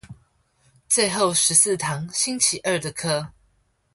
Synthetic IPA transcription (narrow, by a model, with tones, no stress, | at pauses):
t͡swe˥˧ɪxo˥˨˩ʊʂɻ̩˧˥s̩˥˨t̪ʰɑ˧˦ŋɕi˥nt͡ɕʰi˨˦ʔə˥˨˩d̪ə˩kʰɤ˥